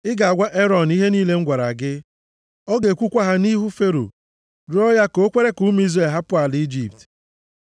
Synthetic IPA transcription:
ɪ˦ɡa˨a˨ɡʷa˦ʔe˦ɾɔ˨ni˦ɦe˦niː˦le˦ŋ̩˦ɡʷa˨ɾa˨ɡɪ˦ | o˦ɡe˨kʷu˦kʷa˦ɦa˦ni˦ɦu˦fe˦ɾo̰˨ | ɾʊ˦ɔ˦ja˦ko˦kʷe˦ɾe˦ku˦m˦i˦ze˨ɦa˦pʊ˦a˨li˦d͡ʒi˨p̚t

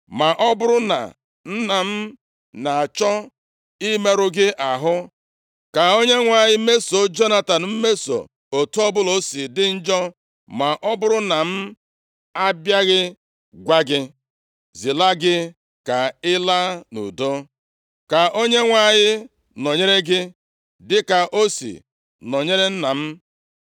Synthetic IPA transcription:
ma˨ʔɔ˦bʊ˦ɾʊ˦na̰˨ | n̩˦na˨m̩˦ | na˨a˨t͡ʃɔ˦ | i˦me˦ɾʊ˦ɡɪ˦ʔa˨ɦʊ˦ | ka˨o˦ɲe˦ŋʷa˨ɲɪ˦me˦so˨d͡ʒo˦na˦ta˨n˦m̩˦me˦so̰˨ | o˨tu˦ɔ˦bʊ˦lo˦si˨dɪ˦n̩˦d͡ʒɔ˦ | ma˨ʔɔ˦bʊ˦ɾʊ˦na˨m̩˦ | a˦bja˦ɣɪ˦ | ɡʷa˦ɡɪ˦ | zi˨la˦ɡɪ˦ | ka˨ɪ˦la˦nṵ˨do˦ | ka˨ʔo˦ɲe˦ŋʷa˨ɲɪ˦ | no˨ɲe˦ɾe˦ɡɪ˦ | dɪ˦ka˨ʔo˦sḭ˨ | nɔ˨ɲe˦ɾe˦n̩˦na˨m̩˦

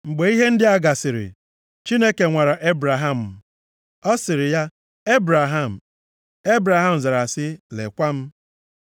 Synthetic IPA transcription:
ŋ͡m̩˨ɡ͡be˨i˦ɦe˦n̩˦dɪ˦a˦ɡa˨sɪ˨ɾɪ̰˨ | t͡ʃi˦ne˦ke˨ŋʷa˨ɾa˨ʔe˦bɾa˨ɦa˦˨m̩˨ | ɔ˦sɪ˨ɾɪ˨ja˦ | e˦bɾa˨ɦa˦˨m̩˨ | e˦bɾa˨ɦa˦m̩˨za˨ɾa˨sɪ˦lḛ˨kʷa˦m̩˦

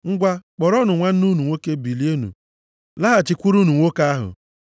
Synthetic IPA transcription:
ŋ̩˦ɡʷa˦k͡pɔ˨ɾɔ˦nʊ˨ŋʷa˦n̩˦nu˦nu˨ŋʷo˦ke˦bi˨li˦e˦nṵ˨ | la˦ɦa˨t͡ʃɪ˨kʷu˦ɾu˦nu˨ŋʷo˦ka˦a˦ɦʊ̰˨

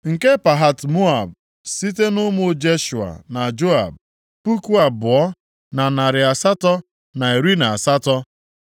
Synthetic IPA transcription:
ŋ̩˨ke˦pa˨ɦa˨tmo˦a˨b | si˦t̬e˦nʊ˦mʊ˦˨d͡ʒe˦ʃu˨a̰˨na˨d͡ʒo˦a̰˨b̚ | pu˦ku˦a˨bʊ˨ɔ˦ | na˨na˨ɾɪ˨a˨sa˦tɔ˦ | na˨e˨ɾi˦na˨a˨sa˦tɔ˦

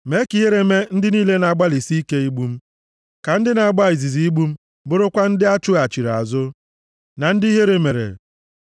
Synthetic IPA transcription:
me˦ki˨ɦe˦ɾe˨me˦n̩˦dɪ˦niː˦le˦na˨ɡ͡ba˦li˨si˦i˦ke˦i˦ɡ͡bu˦m̩˦ | ka˨n̩˦dɪ˦na˨ɡ͡ba˦˨i˨zi˨zi˨i˦ɡ͡bu˦m̩˦ | bʊ˦ɾʊ˦kʷa˦n̩˦dɪ˦a˦t͡ʃʊ˦a˨t͡ʃi˨ɾa̰˨zʊ˦ | na˨n̩˦dɪ˦ɦe˦ɾe˦me˨ɾḛ˨

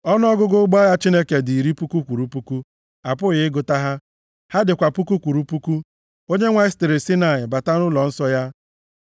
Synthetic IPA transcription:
ɔ˦n˦ɔ˦ɡʊ˦ɡʊ˦ɡ͡ba˦ja˦t͡ʃi˦ne˦ke˨dɪ˨i˨ɾi˦pu˦ku˦kʷu˨ɾu˦pu˦ku˦ | a˨pʊ˦ɣɪ˨˦ɪ˦ɡʊ˨ta˦ɦa˦ | ha˦dɪ˨kʷa˨pu˦ku˦kʷu˨ɾu˦pu˦ku˦ | o˦ɲe˦ŋʷa˦ɪ˦stɪ˨ɾɪ˨si˦na˨ɪ˨ba˨ta˦nʊ˦lɔ˨n̩˦sɔ˦ja˦

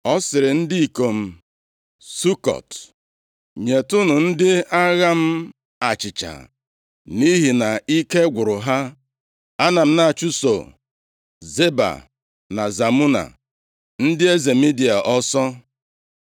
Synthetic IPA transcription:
ɔ˦sɪ˨ɾɪ˨n̩˦di˦i˨ko˨m̩˦ | su˦kɔ̰˨t | ɲe˨tʊ˦nʊ˨n̩˦dɪ˦a˦ɣa˦m̩˦ | a˨t͡ʃɪ˨t͡ʃa̰˨ | ni˦ɦi˨na˨i˦ke˦ɡʷʊ˨ɾʊ˨ɦa˦ | a˦na˨m̩˦na˨t͡ʃu˦so̰˨ | ze˦ba̰˨ | na˨za˨mu˦na̰˨ | n̩˦dɪ˦e˦ze˨mi˦di˨a˨ʔɔ˦sɔ˦

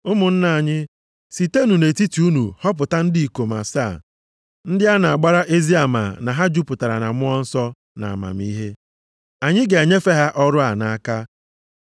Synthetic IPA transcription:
ʊ˦mʊ˨n̩˦na˨a˨ɲɪ˦ | si˨te˦nu˨ne˨ti˦ti˨u˦nu˨hɔ˦p̬ʊ˨ta˦n̩˦di˦i˨ko˨ma̰˨sa˦˨ | n̩˦dɪ˦a˦na˨a˨ɡ͡ba˦ɾa˦ʔe˦zi˦a˨ma̰˨na˨ɦa˦d͡ʒu˦pʊ˨ta˨ɾa̰˨na̰˨mʊ˦ɔ˦n̩˦sɔ˦ | na̰˨a˨ma̰˨m˦i˦ɦe˦ | a˨ɲɪ˦ɡe˨a˨ɲe˦fe˦ɦa˦ʔɔ˦ɾʊ˦a˨na˨a˦ka˦

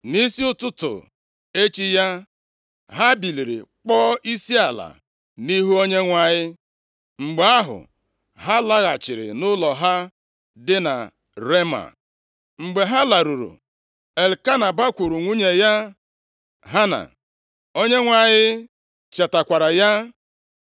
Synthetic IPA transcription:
ni˦si˦ʊ˦tʊ˦tʊ̰˨ | e˦t͡ʃi˦ja˦ | ɦa˦bi˨li˨ɾḭ˨k͡pɔː˦i˦si˦a˨la̰˨ | ni˦ɦu˦o˦ɲe˦ŋʷa˨ɲɪ˦ | ŋ͡m̩˨ɡ͡be˨a˦ɦʊ̰˨ | ɦa˦la˦ɣa˨t͡ʃɪ˨ɾɪ̰˨nʊ˦lɔ˨ɦa˦ | dɪ˦na̰˨ | ɾe˦ma̰˨ | ŋ͡m̩˨ɡ͡be˨ɦa˦la˨ɾu˨ɾṵ˨ | e˨lka˦na˨ba˦kʷu˨ɾu˨ŋʷu˦ɲe˨ja˦ | ɦa˦na̰˨ | o˦ɲe˦ŋʷa˨ɲɪ˦ | t͡ʃa˨ta˨kʷa˨ɾa˨ja˦

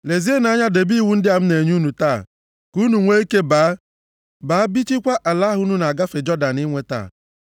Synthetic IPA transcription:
le˨zi˦e˦na˨˦ɲa˦de˨bi˦wu˨˦n̩˦dɪ˦a˨m̩˦ne˨ɲu˦nu˨taː˦˨ | ku˦nu˨ŋʷe˦i˦ke˦baː˨˦ | baː˨˦bi˦t͡ʃi˦kʷa˦ʔa˨la˦ɦu˦nu˦na˨ɡa˦fe˨d͡ʒɔ˦da˨ni˦ŋʷe˦ta̰˦˨

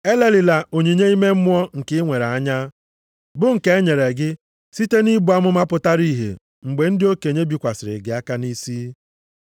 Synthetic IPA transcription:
e˦le˦lɪ˨la˨o˨ɲi˨ɲe˦i˦me˦m̩˦mʷ˦ɔ˦ŋ̩˨kɪ˦ŋʷe˨ɾa˨a˦ɲa˦ | bʊ˦ŋ̩˨ke˨˦e˦ɲe˨ɾe˨ɡɪ˦ | si˦te˦ni˦bu˨˦a˦mʊ˦ma˦pʊ˦ta˦ɾi˦ɦḛ˨ | ŋ͡m̩˨ɡ͡be˨n̩˦dɪ˦o˦ke˨ɲe˦bi˨kʷa˨sɪ˨ɾɪ̰˨ɡɪ˨a˦ka˦ni˦siː˦

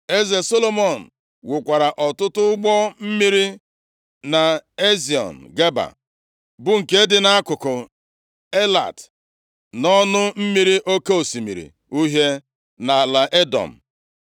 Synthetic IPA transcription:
e˦ze˨so˦lo˨mɔ˨n̩˨ | wʊ˨kʷa˨ɾa˨ʔɔ˨tʊ˦tʊ˦ʊ˦ɡ͡bɔ˦m̩˦mi˦ɾi˦ | na˨e˦zi˨ɔ̰˨n̩˨ɡe˦ba̰˨ | bʊ˨ŋ̩˨ke˦dɪ˦na˦a˦kʊ˨kʊ˨ | e˦la̰˨t | nɔ˦nʊ˦m̩˦mi˦ɾi˦ʔo˦ke˦o˨si˨mi˨ɾḭ˨ | u˦ɦje˦ | na˨la˨ʔe˦dɔ̰˨m̩˨

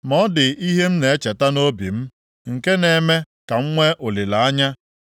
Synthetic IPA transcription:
mɔ˦dɪ˨ʔi˦ɦe˦m̩˦ne˨e˦t͡ʃe˨ta˦no˦bḭ˨m̩˦ | ŋ̩˨ke˦ne˨me˦ | ka˨ŋ̩˦ŋʷe˦ʔʊ˨li˨la˨a˦ɲa˦

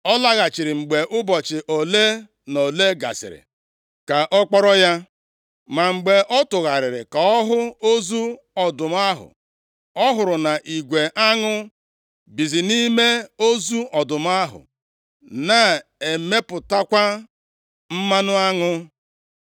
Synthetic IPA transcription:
ɔ˦la˦ɣa˨t͡ʃɪ˨ɾɪ˨ŋ͡m̩˨ɡ͡be˨ʔʊ˦bɔ˨t͡ʃɪ˨ʔo˨le˦ | no˨le˦ɡa̰˨sɪ̰˨ɾɪ̰˨ | ka˨ʔɔ˦k͡pɔ˦ɾɔ˦ja˦ | ma˨ŋ͡m̩˨ɡ͡be˨ʔɔ˦tʊ˨ɣa˨ɾɪ˨ɾɪ̰˨ka˨ɔ˦ɦʊ˦o˦zu˦ | ɔ˨dʊ˨m˦a˦ɦʊ̰˨ | ɔ˦ɦʊ˨ɾʊ˨na˨ʔi˨ɡʷe˨ʔa˦ŋʊ˦ | bi˨zi˨ni˦me˦o˦zu˦ɔ˨dʊ˨m˦a˦ɦʊ̰˨ | na˨e˨me˦pʊ˨ta˦kʷa˦ | m̩˦ma˦nʊ˦a˦ŋʊ˦

